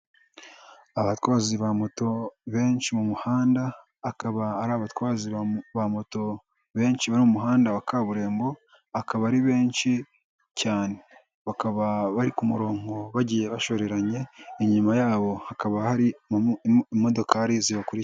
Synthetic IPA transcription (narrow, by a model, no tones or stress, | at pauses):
aβatwaːziβamoto̞βe̞ːnʃimumuhaːndaː | kaβaaɾaβatwaːziβamoto̞ | βe̞ːnʃiβaɾimumuɦaːndaβakaβuɾe̞ːmbo̞ | akaβaɾiβe̞ːnʃi | caːne̞ | βakaβaβaɾikumuɾo̞ːŋɡo̞βaɟiːje̞βaʃo̞ɾe̞ɾaɲe̞iɲumajaːβo̞hakaβahaɾi | mo̞do̞kʰaɾiziβakuɾi